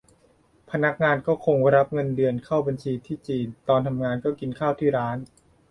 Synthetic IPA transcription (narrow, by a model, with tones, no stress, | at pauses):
pʰa˧na˦˥k̚ŋaː˧nkɔː˥˩kʰo˧ŋ˥˩ɾa˦˥p̚ŋɤ˧ndɯ˧ənkʰaː˥˩wba˧nt͡ɕʰiː˧t̪ʰiː˥˩t͡ɕiː˧nt̪ɔː˧nt̪ʰa˧mŋaː˧nkɔː˥˩ki˧nkʰaː˥˩wt̪ʰiː˥˩ɾaː˦˥n